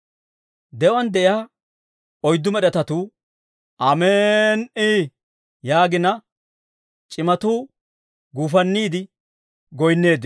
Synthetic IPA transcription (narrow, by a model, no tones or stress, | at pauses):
d̪ɛwɐnd̪ɛʔjaː | ɔjd̪ːʊmɛɗɛt̪ɐt̪uː | ʔɐmeːni | jaːɡɪnɐ | t͡ʃʼɪmɐt̪uː | ɡuːfɐnːiːd̪ɪ | ɡɔjnːe̞ːd̪ː